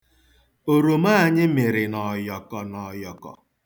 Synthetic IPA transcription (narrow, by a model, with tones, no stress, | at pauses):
o˨ɾo˨ma˦a˨ɲɪ˦me˨ɾɪ˨nɔ˨jɔ˨kɔ˨nɔ˨jɔ˨kɔ̰˨